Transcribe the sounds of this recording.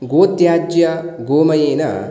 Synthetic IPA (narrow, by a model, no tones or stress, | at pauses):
ɡoːt̪jaːd͡ʒjɐɡoːmɐjeːnɐ̰